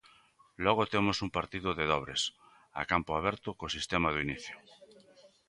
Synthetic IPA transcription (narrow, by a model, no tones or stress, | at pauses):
lɔɣ̞ot̪emosuŋpaɾt̪iðʊðeðɔβ̞ɾes | a̰kampʊaβ̞ɛɾt̪ʊkosist̪emaðʊiniθjʊ